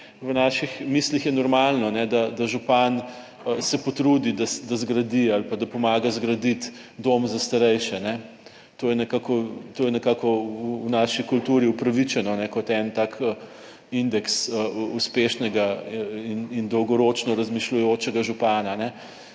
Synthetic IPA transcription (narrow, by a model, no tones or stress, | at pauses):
wənaʃixmislixjɛnɔɾmalnɔnɛd̪ad̪aʒupan | sɛpɔt̪ɾuːd̪id̪asd̪azɡɾɐd̪ialpad̪apɔmaːɡazɡɾɐd̪it̪ | d̪omzast̪ɐɾɛjʃɛnɛ | t̪oːjɛnɛkaːkɔt̪oːjɛnɛkaːkɔuunaːʃikult̪uːɾiupɾɐʋit͡ʃɛnɔnɛkɔt̪ɛnt̪ak | ind̪ɛksəuspeːʃnɛɡainind̪ɔwɡɔɾoːt͡ʃnɔɾɐzmiʃlujoːt͡ʃɛɡaʒupaːnanɛ